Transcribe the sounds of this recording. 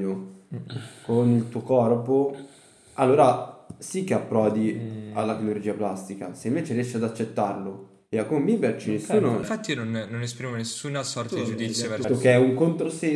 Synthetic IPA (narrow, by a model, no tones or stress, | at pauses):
o | konilt̪uːokɔrpo | alːoːɾasikːeapːɾɔːd̪ialːaklolod͡ʒiːaplast̪ika̰seiɱveːt͡ʃeɾijɛʃːiad̪at͡ʃːet̪ːarlo | iakomemibert͡ʃinesːuːnoɱfat̪ːinonːonespɾimonesːunasɔrt̪ad̪id͡ʒud̪it̪sjot̪ːokeɛuŋkont̪ɾose